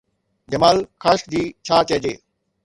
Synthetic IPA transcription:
d͡ʑɐmaːlkʰaːʃd̪iːt͡ɕʰaːt͡ɕɐːd͡ʑeː

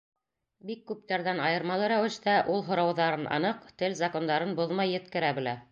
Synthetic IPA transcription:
bikːʉp̚t̪æɾðænɑjɤ̆ɾmɑlˠɤɾæwɘ̆ʃt̪æʔulˠɦŏɾɑwðɑɾɤnɑ̰nɤqt̪ɘlzako̞nd̪ɑɾɤnboðmɑjːɘ̆t̪kɘ̆ɾæbɘ̆læ

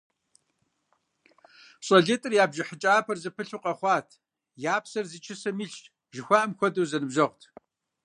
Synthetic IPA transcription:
ɕʼoɮetʼɨrjaːbʒɪħət͡ʃʼaːpʰɐrzɨpʰɨɬuqʼɐχʷɑːtʰ | jaːpsɐrzit͡ʃʰɪsɐmiɬ | ʒɪxʷaʔɐmxʷɔdɐwzɐnɨbʒɐʁʷtʰ

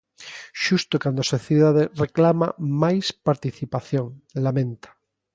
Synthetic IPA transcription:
ʃust̪okand̪osoθjeðaðereklama̰majspaɾt̪iθipaθjõŋlamẽnt̪ḁ

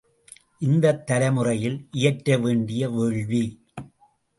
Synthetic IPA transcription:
ʔɪnd̪ɐt̪ːɐlɐmɯrɐjɪlʔɪjɐʈːɾɐʋeːɳɖɪjɐʋeɻʋi

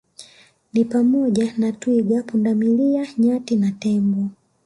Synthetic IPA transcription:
nipamɔʄanatwiɡapundamiliaɲatinatɛmbɔ

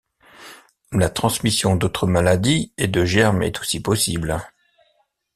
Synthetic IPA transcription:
lat̪χɑ̃smisjɔ̃d̪ot̪χəmalad̪ied̪əʒɛʁmɛ̰t̪ʰo̥sipɔsibl

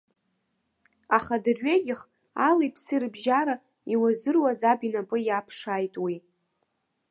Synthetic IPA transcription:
aχadɨrɥeɡʲɪχ | alejpʰsɨirbʒaɾa | iwazɨrwazabinapʼɨjapʰʂaːjtʼwi

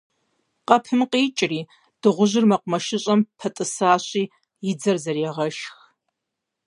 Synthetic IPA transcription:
qɐpʰɨmqiːt͡ʃʼriː | d̥ɨʁʷʊʑɪrmɐqʷʊmɐʃɪɕʼɐmpʰɐtʼɨsaːɕʼiː | jɪd͡zɐrzɐrjɛʁɐʃx

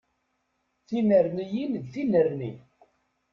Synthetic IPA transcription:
θinəɾnijind̪θinəɾnḭ

